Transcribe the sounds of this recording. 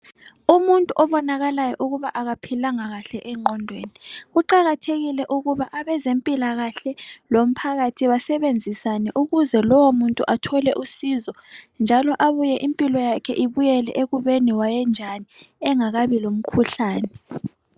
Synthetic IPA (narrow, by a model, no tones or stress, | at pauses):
umuntʼuʔɔβɔnaɣalajɔʔuɣuβaʔaɣapʰilaŋaɣaɬɛʔɛŋ͡ǃʱɔndʱweniɣuǃaɣatʰeɣilɛʔuɣuβaʔaβɛzempʼilaɣaɬɛlom̩pʰaɣatʰiβasɛβend͡zʱisanɛʔuɣuzɛlɔwomuntʼuʔatʰɔlɛʔusizɔnd͡ʒʱalɔʔaβujɛʔimpʼilɔjakʰɛʔiβujɛlɛʔeɣuβeniwajɛnd͡ʒʱaniɛŋaɣaβilom̩kʰuɬaːnɛ